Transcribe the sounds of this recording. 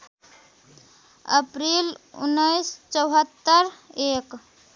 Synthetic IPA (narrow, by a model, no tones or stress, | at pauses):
ə̰pɾilṵnːəjst͡ʃəwɦət̪ːəɾek